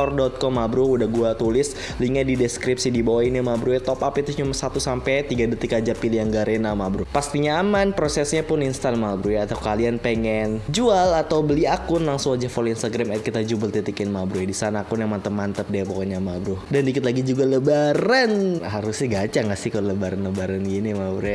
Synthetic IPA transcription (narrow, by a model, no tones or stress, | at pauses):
ɔrdɔt̪̚kɔmːabɾʊhudahɡuat̪ulɪs | liŋadidɛskɾipsidibawainamabɾuɛt̪ɔpapit̪ʊt͡ʃumasat̪usampɛt̪iɡadət̪ikad͡ʒapilijaŋɡaɾenamabɾʊhpast̪iɲaːmanpɾosɛsɲapʊninst̪anmabɾujat̪aukalianpeŋɛnd͡ʒualat̪awbəliakʊnlaŋsũad͡ʒafɔlinst̪aɡɾamajt̪̚kit̪ad͡ʒubəlt̪it̪ikɪnmabɾuɛdisanaːkʊnjamant̪əmant̪əp̚daapokɔɲamabɾʊhdandikɪt̪laɡid͡ʒuɡaləbaɾanɦaɾʊsaɡat͡ʃaŋasɪhkalləbaɾanləbaɾanɡinimabɾuɛ